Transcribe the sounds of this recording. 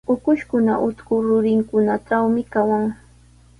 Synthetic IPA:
ʊkʊʃkʊna̰ʔʊt̪kʊɾʊɾɪŋkʊnaʈ͡ʂawmɪkawaŋ

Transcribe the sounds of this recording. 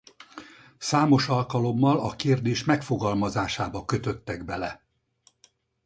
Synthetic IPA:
saːmo̞ʃɒlkɒlo̞mːɒlɒkeːrd̪eːʃmɛkfo̞ɡɒlmɒzaːʃaːbɒkø̞t̪ø̞t̪ːɛɡbɛlɛ

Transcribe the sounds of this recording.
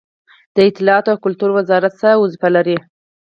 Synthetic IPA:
d̪̥əɪt̪ɪlɑɑt̪oawkʊlt̪uɾwəzɑɾat̪səɾawʊzfalaɾi

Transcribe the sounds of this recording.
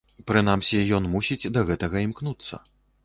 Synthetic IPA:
pɾɨnamsʲijɔnmusʲid͡zʲd̪ɐɣɛt̪ɐɣɐimknut̪sːɐ̰

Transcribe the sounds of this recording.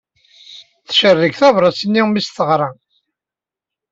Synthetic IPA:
θʃərːəɡθævɾˤɑsənːimisθəʁɾˤɑ

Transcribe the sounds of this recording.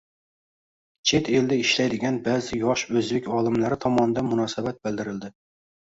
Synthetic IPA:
t͡ʃʰet̪ʰeld̪ɛiʃlɛjd̪ɪɡʲɛnbæːzɪjɑʃøzbɪkʲɑːlˠɨmlæɾɪt̪ʰɑmɑnɨd̪ɛnmunɑːsɨbɛt̪̚bɪld̪ɪɾɪld̪ɪ

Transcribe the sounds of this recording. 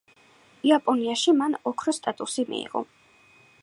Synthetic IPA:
iapʼɔniaʃimanɔkʰɾɔst̪ʼat̪ʼusimḭḭʁɔ̰

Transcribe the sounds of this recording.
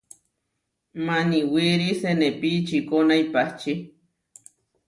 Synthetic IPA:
maniwiɾisenepit͡ʃikonaipaht͡ʃi

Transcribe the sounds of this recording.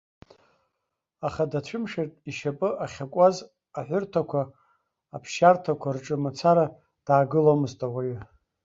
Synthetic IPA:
aχadat͡ɕʷʰʊmʂertʼiʃapʼɨaχʲakʷʼaz | aħʷʊrtʰakʷʰaː | pʰʃartʰakʷʰarʈ͡ʂʼɨmat͡sʰaɾa | d̥aːɡɨlomɨztʼawaj

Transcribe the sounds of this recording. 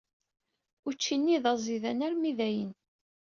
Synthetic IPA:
ʊt͡ʃːinːiðɑzˤiðænæɾmiðæjən

